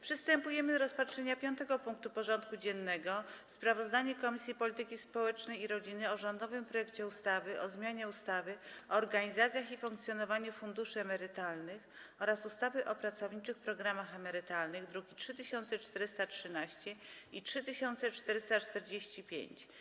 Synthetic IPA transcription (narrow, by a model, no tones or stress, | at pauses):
pʂɘst̪ɛmpujɛmɘɾɔspatʂɛɲapʲjɔnt̪ɛɡɔpuŋk̚t̪upɔʐɔnt̪kud͡ʑɛnːɛɡɔspɾavɔzd̪aɲɛkɔmʲisʲjipɔlʲit̪ɘkʲispɔwɛt͡ʂnɛjiɾɔd͡ʑinɘɔʐɔnd̪ɔvɘmpɾɔjɛkt͡ɕɛust̪avɘʔɔzmʲjaɲɛust̪avɘɔːɾɡaɲizat̪sʲjaxifuŋkt̪sʲjɔnɔvaɲufund̪uʂɘɛmɛɾɘt̪alnɘxɔɾasust̪avɘʔɔpɾat̪sɔvɲit͡ʂɘxpɾɔɡɾamaxɛmɛɾɘt̪alnɘɣd̪ɾukʲitʂɘt̪ɘɕɔnt̪sɛt͡ʂt̪ɛɾɘst̪atʂɘnaɕt͡ɕɛitʂɘt̪ɘɕɔnt̪sɛt͡ʂt̪ɛɾɘst̪at͡ʂt̪ɛɾd͡ʑeɕt͡ɕipʲjḛɲt͡ɕ